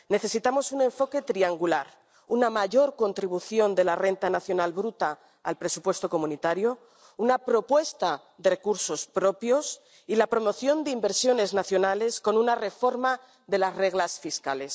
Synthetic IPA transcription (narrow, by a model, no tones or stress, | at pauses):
ne̞θe̞sit̪amo̞sunẽ̞ɱfo̞ke̞t̪ɾiaŋɡulaɾ | unamaʝo̞ɾko̞nt̪ɾiβ̞uθjo̞nd̪e̞lare̞nt̪anaθjo̞nalβɾut̪aː | lpɾe̞supwe̞st̪o̞ko̞mũnit̪aɾjo̞ | unapɾo̞pwe̞st̪a | ðerekuɾso̞spɾo̞pjo̞s | ilapɾo̞mo̞θjo̞nd̪eimbe̞ɾsjo̞ne̞znaθjo̞nale̞sko̞nunare̞fo̞ɾma | ðe̞lazre̞ɣlasfiskale̞s